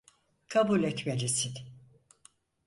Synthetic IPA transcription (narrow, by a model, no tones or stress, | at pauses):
kʰabulʲɛt̪meɾisin